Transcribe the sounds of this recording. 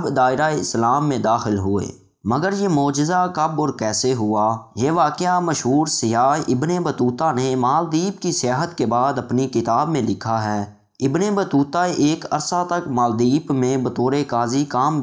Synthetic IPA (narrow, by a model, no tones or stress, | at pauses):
bd̪aːɪɾaeɪslaːmːẽd̪aːxɪlɦʊḛː | mɐɡəɾjemɔːd͡ʒɪzakɐbɔːɾkɛːseɦʊajeʋaːkɪamɐʃɦuːɾsɪjaːɪbnebɐt̪uːt̪anemaːld̪iːpkisɪjaːɦət̪kebaːd̪ɐpnikɪt̪aːbmẽlɪkʰaɦɛː | ɪbnebət̪uːt̪aeʔeːkɐ̰ɾsat̪ɐkmaːld̪iːpmẽbɐt̪oːɾekaːzikaːm